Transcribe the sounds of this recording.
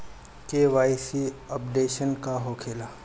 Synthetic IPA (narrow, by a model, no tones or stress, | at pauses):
keːʋaːjsiɐpɖeːʃənkaɦoːkʰeːla